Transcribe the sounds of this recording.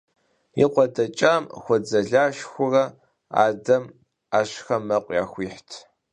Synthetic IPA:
ḭqʷɔdɐt͡ʃʼamxʷɔd͡zɐɮaːʃxʷʊrɐ | a̰ːdɐm | aːɕxɐmɐqʷʼjaːxʷiːħtʰ

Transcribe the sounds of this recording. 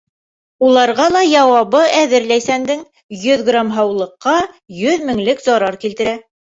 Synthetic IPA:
ulˠɑɾʁɑlˠɑjɑwɑβɤʔæðɘɾlæjsænd̪ɘŋ | jɵðɡramɦɑwlˠɤ̆qːɑ | jɵðmɘ̆ŋlɘkzɒɾɑɾkilt̪ɘ̆ɾæ

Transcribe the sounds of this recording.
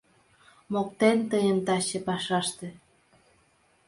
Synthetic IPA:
mok̚t̪ent̪əjəmt̪ɑɕepɑʃɑʃt̪ĕ

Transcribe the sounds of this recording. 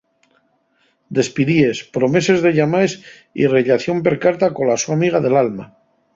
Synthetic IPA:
d̪e̞spiðie̞spɾo̞me̞se̞zðe̞ʎamaes | ḭre̞ʎaθjo̞mpe̞ɾkaɾt̪ako̞lasuamiɣ̞aðe̞lalma

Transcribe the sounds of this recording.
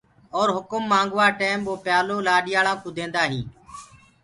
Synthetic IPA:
ɔːɾɦʊkʊmːãːŋɡʋaːʈeːmboːpjaːloːlaːɗɪjaːɭãːkʊd̪ʱẽːnd̪aːɦiː

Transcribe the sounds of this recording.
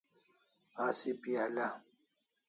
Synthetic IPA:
aːsipiala

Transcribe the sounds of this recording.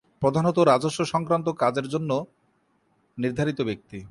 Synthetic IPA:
pɾod̪ʱanot̪̬oɾad͡ʑoʃːoʃɔŋkɾant̪̬okad͡ʑeɾd͡ʑonːo | niɾd̪ʱaɾit̪obek̚t̪i

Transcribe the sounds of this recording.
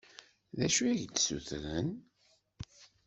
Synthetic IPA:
ðæʃuæʝd̪sṵθɾən

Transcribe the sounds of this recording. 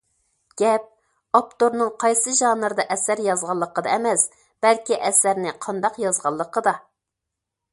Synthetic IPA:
ɡ̥ʲɛp̚ | ɑp̚t̪oɾnɨŋqʰɑjsɨʒɑːnɨɾd̪ɑʔɛsæɾjɑzʁɑlˠːəqəd̪ɑɛmɛs | b̥ælkʲiʔɛsæɾnɪqʰɑnd̪ɑqjɑzʁɑlˠːəqəd̪ɑ

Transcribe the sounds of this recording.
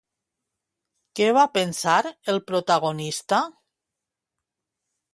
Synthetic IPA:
keβapensaɾelpɾot̪aɣ̞onist̪a

